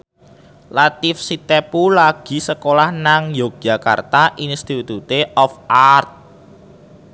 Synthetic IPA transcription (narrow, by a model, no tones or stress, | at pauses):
lat̪ifsit̪epulaɡ̥i̤səkolahnaŋjo̥ʒ̥a̤ka̰rt̪aʔinst̪it̪ut̪eʔɔfart̪̚